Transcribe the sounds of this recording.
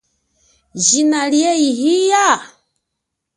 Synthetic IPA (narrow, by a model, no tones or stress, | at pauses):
ʒinaljɛiɦija